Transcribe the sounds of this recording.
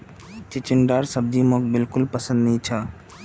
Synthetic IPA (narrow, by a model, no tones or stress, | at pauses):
t͡ʃɪt͡ʃɪnɖaːɾsəb̚d̪imokbɪlkʊlpəsə̃nd̪nəĩt͡ʃʰa